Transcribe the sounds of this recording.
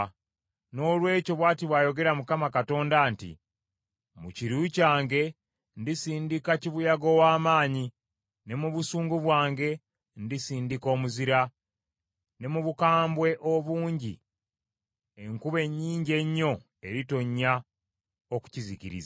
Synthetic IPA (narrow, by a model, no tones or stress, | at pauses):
no̞ːlwe̞ːco̞βwaːtiβwajo̞ɡe̞ɾamukamakato̞ːndaːntḭ | muciɾucaːŋɡe̞ | ndisiːndikaciβujaɡo̞waːmaːɲi | ne̞muβusuːŋɡuβwaːŋɡe̞ | ndisiːndiko̞ːmuziɾa | ne̞muβukaːmbwe̞ʔo̞βuːɲɟḭ | e̞ŋkuβe̞ɲːiːɲɟe̞ɲːo̞ | e̞ɾito̞ɲːa | oku̥ciziciɾḭza